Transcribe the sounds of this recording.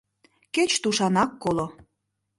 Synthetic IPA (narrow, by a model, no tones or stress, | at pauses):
ket͡ɕt̪uʃɑnɑkːolo